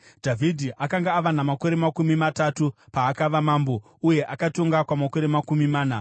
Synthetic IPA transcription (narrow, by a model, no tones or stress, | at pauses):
dʱavʱidʱiʔakaŋɡaːʋanamako̞ɾe̞makumimatatupaːkaʋamaːmbo̞ | uje̞ʔakatoŋɡakwamako̞ɾe̞makumimaːna